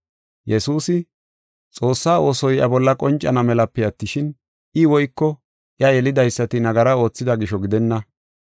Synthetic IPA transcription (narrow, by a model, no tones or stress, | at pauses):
jɛsuːsɪ | t͡sʼo̞ːsːaːʔo̞ːsɔjɐ̰bɔlːɐkʼɔnt͡ʃʼːɐ̰nɐmɛlɐpːɛɐt̪ːɪʃɪn | ʔɪwɔjkːɔ | ʔɪɐjɛlɪd̪ɐjsːɐt̪ɪnɐɡɐɾɐo̞ːt͡sːɪd̪ɐɡɪʃɔɡɪd̪ɛnːɐ